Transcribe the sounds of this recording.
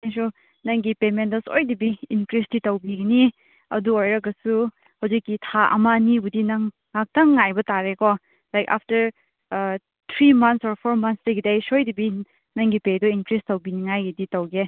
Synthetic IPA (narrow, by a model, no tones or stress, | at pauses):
ajs̬u | nɐŋɡipemendɐsojdibiinkɾisditɐwbiɡɐni | ɐ̰duojɾɐkːɐsu | hɐwzikːitʰaʔɐ̰manibudinɐŋː | ak̚tɐŋŋːajbɐtaɾekɔ | lajka̰p̚ʰtɐɾ | t̪ʰɾimɐntsoɾpʰoɾmɐnstɐɡidejsojdibi | nɐŋɡipedɔinkɾistɐwbiniŋajɡɐditɐwɡe